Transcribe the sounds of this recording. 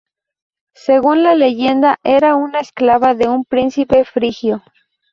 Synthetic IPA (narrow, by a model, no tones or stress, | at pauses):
seɣunlale̞ʝe̞nd̪aʔe̞ɾaunaesklaβaðe̞umpɾinsipe̞fɾixjo̞